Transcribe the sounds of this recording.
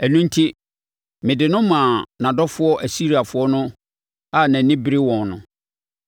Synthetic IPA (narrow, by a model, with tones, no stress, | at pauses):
ɛ˨nũ˦n˦tʰi˦ | mɪ̃˨dɪ˨nʊ̃˦mã˨nã˨dɔ˦fʊ˦ɔ˦ʔæ˨si˦ɾi˨a˨fʊ˦ɔ˦nʊ̃˦ | a˦˨nã˨nɪ̃˦bi˦ɾi˦wɔ̃˨nnʊ̰̃˨